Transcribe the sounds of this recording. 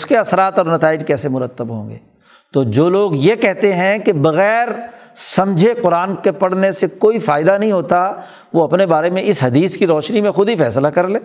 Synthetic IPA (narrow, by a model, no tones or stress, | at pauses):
ʊskeɐsɾaːt̪ɔːɾnɐt̪aːɪd͡ʒkɛːsemʊɾət̪ːəbɦõ̰ːŋɡḛː | t̪oːd͡ʒoːloːɡjekɛɦt̪eɦɛ̃kebɐɣɛːɾ | sɐ̃md͡ʒʱeqʊɾaːnkepɐɽ̤nesekoːifaːɪd̪anɐɦĩɦoːt̪a | ʋoɐpnebaːɾemẽɪsɦɐd̪iːskiɾɔːʃnimẽxʊd̪ʱifɛːslakɐɾlẽː